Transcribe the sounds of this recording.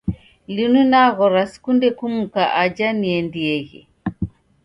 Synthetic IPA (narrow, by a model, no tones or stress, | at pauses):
linunaɣɔɾasi̥kundɛkumukaʔad͡ʒaniɛndiɛɣɛ̰